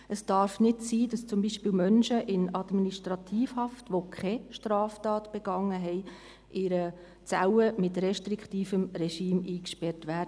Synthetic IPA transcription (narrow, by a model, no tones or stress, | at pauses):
əsd̥ɑɾfnɪtsiːd̥ɑst͡sʊmbiːʃpiːlmœnʃəʔɪnɑdminiʃtɾɑtʰiːfhɑftʋokʰɛʃtɾɑːftɑːtb̥ɛɡ̥ɑŋːəɦɛɪ | ʔɪɾə | t͡sawəmɪtɾɛʃtɾikχtiːfəmɾɛʃiːmiːkʃpɛɾtʋæːdə